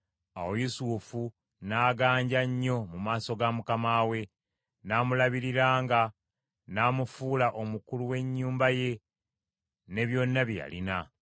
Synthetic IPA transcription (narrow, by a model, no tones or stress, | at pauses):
a̰wo̞jusuːfu | naːɡaːɲɟaɲːo̞mumaːso̞ɡamukamaːwe̞ | naːmulaβiɾiɾaːŋɡa | naːmufuːlaʔo̞mukuluwe̞ɲːuːmbaje̞ | ne̞βjo̞nːaβja̰lḭna